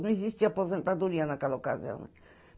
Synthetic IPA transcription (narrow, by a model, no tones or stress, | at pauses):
nõizist̪ɪapozẽnt̪ad̪uɾiɐnakɛlɐoka̰zḭɐ̰̃w̃nɛ̰